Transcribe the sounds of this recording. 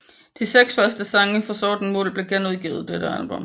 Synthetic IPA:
t͡sʰeseɡ̥sfɶɐsd̥əsɑ̈ŋəfɒ̽sɒːd̥n̩mɔ̰ːlb̥le̝ɡ̥enuðˠɡḭːð̞̩ˠd̥eɾ̥əælb̥ɔ̽m

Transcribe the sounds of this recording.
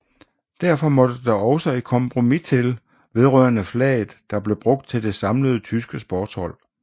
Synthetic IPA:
d̥æɐfɒ̽mɒ̽d̥əd̥ɑ̈ɒ̽ʊsəi̥kʰɒ̽mpʰʁo̝mit͡sʰe̝l | ʋe̝ð̞ˠʁœ̰ɐnəflɛ̰ːð̩ˠd̥ɑ̈b̥le̝b̥ʁɔ̽ɡ̥̚d̥̚t͡sʰe̝ld̥e̝sɑ̈mləð̞ˠt͡sʰysɡ̥əsb̥ɒːd̥shɒ̽l̰

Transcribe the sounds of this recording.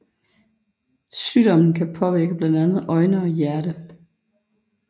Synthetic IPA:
syːd̥ɒ̽mn̩kʰæpʰɒ̽ʋiɐɡ̥əb̥lænd̥ænð̞̩ˠʔɒ̽ɪnəɒ̽jæɐɾ̥ə

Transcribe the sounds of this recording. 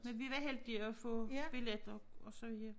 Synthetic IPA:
menʋiʋæɦeld̥iɒfɔb̥iled̥ɒ̽ɒ̽sɒʋiðɐ

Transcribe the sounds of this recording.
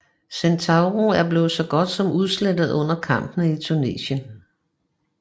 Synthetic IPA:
sent͡sʰɑ̈ʊʁoæɐb̥le̝ːð̩ˠsɒ̽ɡ̥ɒ̽d̥sɒ̽muð̞ˠsled̥ð̞̩ˠɔ̽n̰ɐkʰɑ̈m̰b̥nəit͡sʰune̝̰ːɕən

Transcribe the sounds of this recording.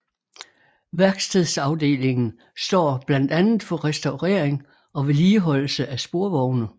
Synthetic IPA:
ʋæɐɡ̥st͡sʰiðˠsɑ̈ʊd̥e̝̰ːle̝ŋn̩ | sd̥ɒ̰ːb̥læn̰d̥ænð̩ˠfɒ̽ʁɛsd̥ɑ̈ʊʁḛɐ̰eŋ | ɒ̽ʋe̝liːɦɒ̽l̰l̩səʔæsb̥o̝ɐʋɒʊnə

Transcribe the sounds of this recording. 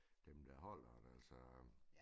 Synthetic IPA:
d̥emd̥æɦɒl̰ɐd̥ælsɒ

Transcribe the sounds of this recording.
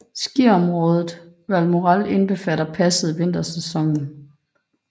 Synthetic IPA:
sɡ̥iɐɒ̽mʁɔ̽ːð̞ˠð̩ˠ | ʋælmo̝ʁɑle̝nb̥e̝fæɾɐpʰæsəð̩ˠʋe̝n̰d̥ɐsesɒ̽ŋn̩

